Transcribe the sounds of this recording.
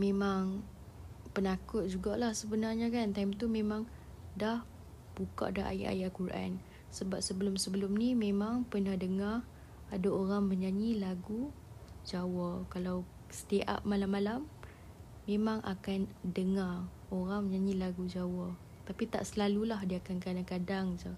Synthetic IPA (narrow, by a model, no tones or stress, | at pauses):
mẽmaŋ | pənakʊt̪̚d͡ʒuɡaʔlahsəbənarɲakant̪ajmt̪umemãŋ | dah | b̥uka̰ʔdaʔa̰ja̰ʔa̰jaʔkuɾʔa̰n | səbap̚səbəlʊmsəbəlʊmnimemaŋpənahdəŋar | adaoɾaŋməɲaɲilaɡu | d͡ʒawakalaw | sə̥t̪iʔa̰p̚malamːalamː | emãŋʔa̰kandəŋar | oɾaŋməɲaɲilaɡud͡ʒawa | t̪apit̪a̰ʔsəlalulahdiakankadaŋkadaŋd͡ʒə